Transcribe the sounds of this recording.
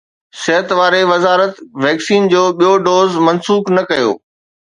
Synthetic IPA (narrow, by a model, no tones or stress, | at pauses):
sɪɦət̪ʋaːɾeʋɐzaːɾət̪ʋɛːksiːnd͡ʑoːɓijoɖoːzmɐnsuːknɐkɐjo̰ː